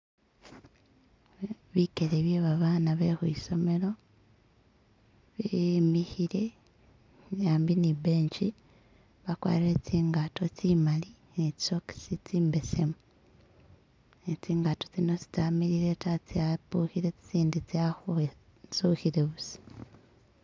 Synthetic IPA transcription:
βikeleβjeβaβaːnaβexuiso̞me̞ɾo̞ | βimihiɾe̞ | jaːmbinibeːɲt͡ʃi | βakwa̰ːliɾet͡siːŋɡato̞t͡simali | net͡ʃi̥soki̥sit͡siːmbe̞se̞mu | et͡siːŋɡatot͡sino̞t͡si̥tamiɾiɾe̞tat͡siapuːhiɾe̞t͡si̥t͡siːndit͡saxu | suːhiɾeβusi̥

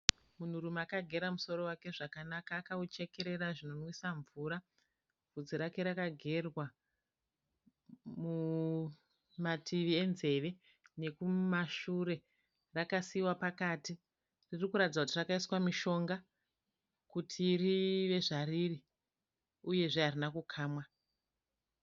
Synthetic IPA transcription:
mun̤uɾumeakaɡʱe̞ɾamuso̞ɾo̞wake̞ʐakanakaːkaut͡ʃe̞ke̞ɾe̞ɾaʐino̞nisaɱvuːɾa | vʱud͡ziɾake̞ɾakaɡʱe̞rwa | mu | matʰiʋie̞nze̞ʋe̞ | ne̞kumaʃuɾe̞ | rakasiwapakati | ririkuɾatid͡zakutirakaiswamiʃo̞ŋɡa | kutʰiriʋe̞ʐaɾiri | uje̞ʐeɦarinakukʰaːmwa

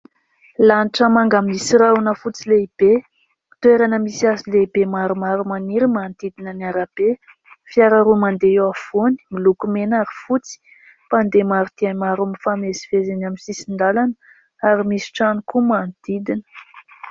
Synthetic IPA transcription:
lanʈ͡ʂəmaŋɡamisiɾaunəfut͡sileib̥e | t̪ueɾanəmisiasileibemaɾumaɾumaniɾimand̪id̪inəniaɾab̥e | fiaɾaɾumand̪eewav̥oni̥milukumenaɾifut͡si̥ | pand̪emaɾut̪iamaɾumifamezi̥vezenaminsisind̪alanə̥ | aɾimisi̥ʈ͡ʂanikumand̪id̪inə̥

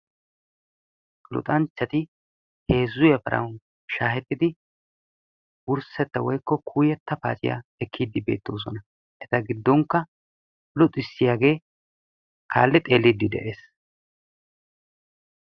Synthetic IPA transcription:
lʊ̰t̪ʼɐnt͡ʃːɐt̪ɪ | he̞ːzːʊjɐpɐɾʔɐ̰wn | ʃaːhɛt̪ːɪd̪ɪ | wʊɾsɛt̪ːɐwɔjkːɔkʰuːjɛt̪ːɐpa̰ːt͡ʃʼɪja̰ɛkʰːiːd̪ːɪbe̞ːt̪ːo̞̰ːs̬ɔnɐ | ʔɛt̪ɐɡɪd̪ːɔŋkːɐ | lɔt̪ʼɪsːɪjaːɡe̞ː | kʰa̰ːlːɛt̪ʼe̞ːlːid̪ːɪd̪ɛ̰ʔe̞ːs

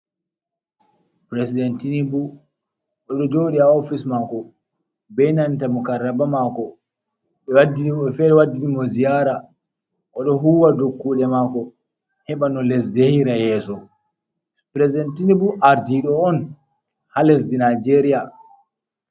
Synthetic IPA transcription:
pɾesidɛntinibu | ʔɔɗɔd͡ʒowɗiaofismakɔ | bɛjnantamukarːabamaːkɔ | ɓɛwadifɛɗɛwadːiɗimɔzijaɾa | ʔɔɗɔɦuwadokːuːɗɛmakɔ | hɛɓanɔlɛs̬dehiɾajɛːsɔ | pɾesidɛntinibuʔaɾdiɗɔɔn | halɛsdinajd͡ʒeɾija

